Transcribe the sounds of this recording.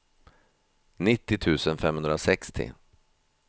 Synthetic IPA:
nɪt̪ːɪt̪ʰʉ̟ːsənfɛmhɵnd̪ɾasɛkst̪ʰɪ̰

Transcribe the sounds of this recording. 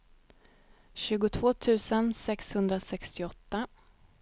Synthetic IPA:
ɕʉ̟ːɡʊt̪ʰv̥oːt̪ʰʉ̟ːsənsɛkshɵnd̪ɾasɛkst̪ɪɔt̪ːa

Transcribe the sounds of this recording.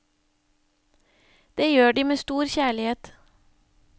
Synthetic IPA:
d̪̥eːjøːɖiːmeːst̪uːɾçæːɭɪheːt̪

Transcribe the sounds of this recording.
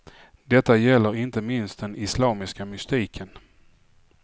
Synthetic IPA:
d̪ɛt̪ːajɛlːəɾɪnt̪əmɪnst̪̚d̪ɛnɪslɑːmɪskamʏst̪iːkʰən

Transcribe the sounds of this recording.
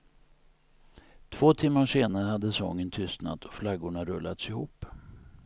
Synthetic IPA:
t̪ʰv̥oːt̪ʰɪmːaʂeːnaɾəhad̪ːəsɔŋːənt̪ʰʏst̪na̰t̪ʰɔ̥flaɡʊɳaɾɵ̰lːʔa̰t̪sɪhuːpː

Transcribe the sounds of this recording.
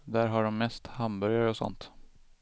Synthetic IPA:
d̪æɾɦaɖɔmːɛst̪hambœɾjaɾəɔsɔ̰nt̪

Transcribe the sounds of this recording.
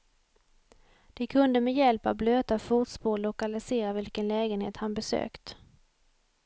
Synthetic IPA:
d̪̥ɛkʰɵnd̪əmɛjɛlpa̰bløːt̪afut̪spoːlʊkalɪseːɾavɪlkənlɛːɡənhḛːt̪hanbɛsø̰ːkt̪

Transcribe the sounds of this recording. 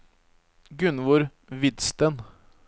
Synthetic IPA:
ɡʉnʋʊɾ | ʋɪd̪st̪ən

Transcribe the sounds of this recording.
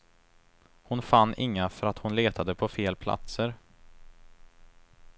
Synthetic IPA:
hʊnfanːɪŋːafœɾat̪hʊnleːt̪ʰad̪əpʰɔfeːlpʰla̰t̪səɾ

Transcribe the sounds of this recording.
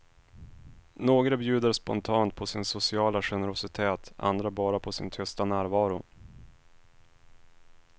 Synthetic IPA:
noːɡɾabjʉ̟ːd̪əɾspɔ̰nt̪ʰɑːnt̪̚pʰɔsɪnsʊsɪɑːlaɧɛnəɾʊsɪt̪ʰeːt̪ʔa̰nd̪ɾabɑːɾapʰɔsɪ̰nt̪ʰʏst̪anæːɾvɑːɾʊ

